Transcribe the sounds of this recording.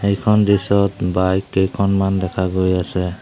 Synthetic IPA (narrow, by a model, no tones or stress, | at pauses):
ejkʰɔndisɔtbajkːejkʰɔnmandɛkʰaɡojasɛ